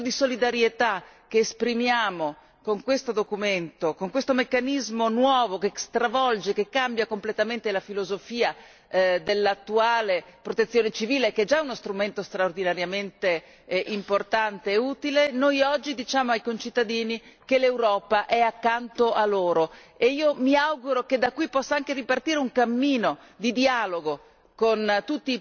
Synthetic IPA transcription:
d̪isolid̪aɾjet̪ak̟eːspɾimjaːmo | koŋkwest̪od̪okument̪okoŋkwest̪omekːanizmonwɔːvokest̪ɾavɔld͡ʒekekːambjakomplet̪ament̪elafilozofiːa | d̪elːat̪ːuaːlepɾot̪et̪sːjoːnet͡ʃiviːlekɛd͡ʒaɛunost̪ɾument̪ost̪ɾaord̪inaɾjament̪e | ʔimport̪ant̪eːuːt̪ilenojɔd͡ʒːid̪it͡ʃaːmoajkont͡ʃit̪ːad̪iːni | kelewɾɔːpaʔɛakːant̪oʔalːoːɾo | eiːomiawɡuɾoked̪akːwipːɔsːaaŋkeripart̪iːɾeuŋkamːiːno | d̪id̪ialoɡo | kont̪ut̪ːi

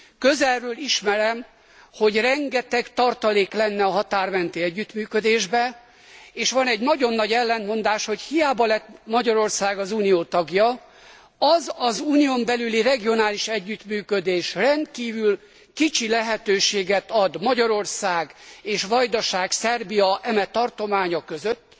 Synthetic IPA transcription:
køzɛlrøːliʃmɛɾɛm | ho̞ɟrɛŋɡɛt̪ɛkt̪ɒrt̪ɒleːklɛnːɛɒɦɒt̪aːrmɛnt̪iɛɟːyt̪myːkød̪eːʒbɛ | eːʃʋɒnɛɟnɒɟo̞nːɒɟɛlːɛnmo̞nd̪aːʃho̞chijaːbɒlɛt̪mɒɟɒɾo̞rsaːɡɒzuːnijoːt̪ɒɡjɒ | ɒzɒzuːnijo̞mbɛlylirɛɡio̞naːliʃɛɟːyt̪myːkød̪eːʃrɛnt̪̚kiːvyl | kit͡ʃilɛɦɛt̪øːʃeːɡɛt̪ɒd̪mɒɟɒɾo̞rsaːɡeːʃʋɒjd̪ɒʃaːɡsɛrbijɒʔɛmɛt̪ɒrt̪o̞maːɲɒkøzøt̪ː

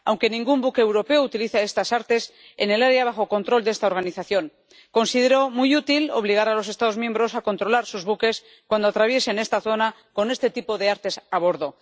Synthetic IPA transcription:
awŋke̞nĩŋɡumbukeeːwɾo̞pe̞out̪iliθae̞st̪asaɾt̪e̞s | ḛne̞laɾeaβ̞axo̞ko̞nt̪ɾo̞ld̪est̪aoɾɣ̞aniθaθjo̞ŋ | ko̞nsið̞e̞ɾo̞mujut̪ilo̞̰β̞liɣ̞aɾalo̞s̬e̞st̪aðo̞zmje̞mbɾo̞sako̞nt̪ɾo̞laɾsuzβuke̞s | kwand̪oat̪ɾaβ̞je̞se̞ne̞st̪aθo̞na | ko̞ne̞st̪e̞t̪ipo̞ðe̞aɾt̪e̞saβ̞o̞ɾðo̞

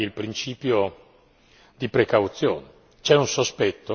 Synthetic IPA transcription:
ilpɾint͡ʃiːpjo | d̪ipɾekawt̪sjo̰ːne | t͡ʃɛunsospɛt̪ːo

